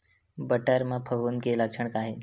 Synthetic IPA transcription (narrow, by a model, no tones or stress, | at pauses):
bəʈəɾmãpʰəʋunkeləkʂəɳ̃kaɦe